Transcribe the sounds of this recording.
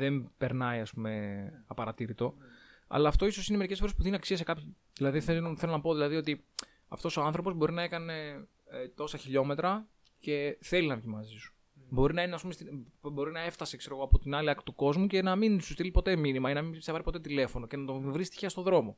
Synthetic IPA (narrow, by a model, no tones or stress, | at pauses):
ðempe̞ɾnɐiɐspume̞ɐpɐɾɐt̪iɾit̪o̞ɐ̰lɐːft̪o̞iso̞sinemeɾicefo̞ɾepuðeniniɐksiɐsekɐpçi | ðilɐðiθeoθe̞lonɐpo̞ðilɐðiot̪i | ɐ̰ft̪o̞soɐnθɾo̞po̞zbo̞ɾinɐekɐne̞ | t̪o̞sɐçiʎo̞me̞t̪ɾɐ | ce̞θe̞linɐvʝimɐzisu̥ | bo̞ɾinɐineɐspumest̪ibo̞ɾinɐe̞ft̪ɐse̞kse̞ɾo̞ɣoɐpot̪inɐliɐkt̪uko̞zmuce̞nɐminsust̪ilipo̞t̪e̞minimɐenɐmimsevɐɾipo̞t̪e̞t̪̬ile̞fo̞no̞cenɐt̪ovɾist̪içɐst̪oðɾo̞mo̞